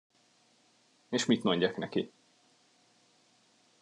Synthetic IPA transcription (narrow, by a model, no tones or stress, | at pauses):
eːʃmit̪moɲɟaknɛki